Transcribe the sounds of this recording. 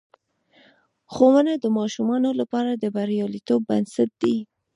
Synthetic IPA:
xowənad̪əmɑʃumɑnolapɑɾad̪əbaɾjɑlit̪obːansat̪̚d̪i

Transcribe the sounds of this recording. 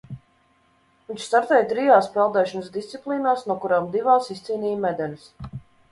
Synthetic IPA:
viɲʲt͡ʃst̪aɾt̪ɛjt̪ɾijaːspɛlˠd̪ɛːʃɔnəsd̪ist̪sʲiplˠiːnaːsnuɔkuɾaːmd̪ivaːsist̪sʲiːnʲiːjmɛd̪ɛnis

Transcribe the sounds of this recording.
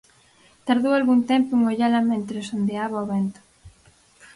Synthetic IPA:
t̪aɾðowalɣunt̪ɛmpoeŋoʎalamẽnt̪ɾesond̪eaβaoβent̪o̥

